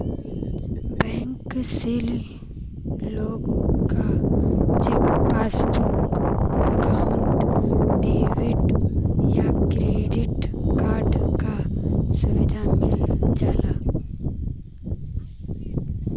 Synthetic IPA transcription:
bɛ̃ːŋksɪl | loːɡ̃ka | t͡ʃeppaːsbʊɾkɛkaʊɳʈɖeːʋɪʈjakɾeːɖɪʈkaːɾɖkasʊʋɪd̪ʱamɪld͡ʒaːlaː

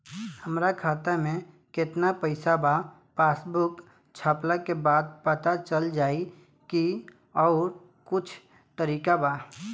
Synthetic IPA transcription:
həmɾakʰaːt̪amẽ | kɪt̪napəɪsaba | paːsbʊk | t͡ʃʰaːplakebaːd̪pət̪at͡ʃəld͡ʒaːi | ki | ɔːɾ | kʊt͡ʃʰ | t̪əɾiːkabaː

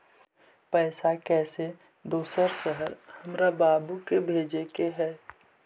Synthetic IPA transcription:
pɛːsakɛːse | d̪oːsəɾsəɦəɾhəmɾabaːbukebʱeːd͡ʒekeɦɛː

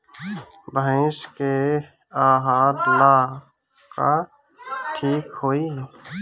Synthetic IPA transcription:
bə̃ʃke | aːɦaːɾlaː | ka | ʈʰiːkhoːiɦ

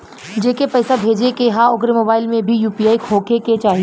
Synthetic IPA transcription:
d͡ʒeːkepɛːsabʱeːd͡ʒekeɦãʊkɾemoːbaːɪlmẽbʱijuːpiaːikʰoːkeket͡ʃaːɦie

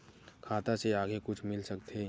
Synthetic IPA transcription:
kʰaːt̪aseaːɡekʊt͡ʃʰmɪlsəkt̪e

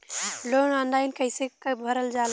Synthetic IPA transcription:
lonɔnlaɪnkəɪsekbʱəɾəld͡ʒal

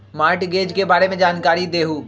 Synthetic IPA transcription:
maːɾʈɡeːd͡ʒkebaːɾemẽd͡ʒaːnkaːɾid̪eːɦuː

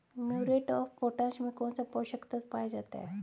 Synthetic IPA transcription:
muɾeʈɔfpoʈãɕmikoɳt͡sapɔɕəkt̪at͡spajd͡zat̪a̰e

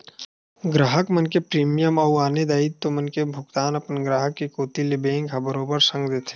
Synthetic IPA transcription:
ɡɾaːɦəkmənkepɾiːmijəmɔːwaːned̪aːit̪ːomənkebʱʊɡt̪aːnɐpənɡɾaːɦəkːikoːt̪ilebẽːŋɡkʰabəɾoːbəɾsə̃ŋɡd̪eːt̪ʰe̥

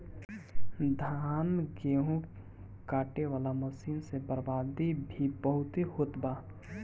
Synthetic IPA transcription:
d̪ʱaːnɡeːɦũ | kaːʈeʋaːlaməsiːnsebəɾbaːd̪ibʱibəɦʊt̪ihoːt̪baː

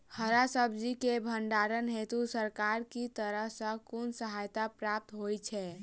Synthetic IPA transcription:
həɾasəbd͡ʒikebʱəɳɖaɾənɦet̪usəɾkaɾkit̪əɾəɦsə̃konsəɦajt̪apɾap̚t̪ɦojt͡ʃʰɛ

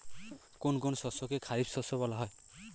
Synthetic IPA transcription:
konk̬ʊnsɔsɔkekʰaɹipsɔsɔbɔlaɦɔj

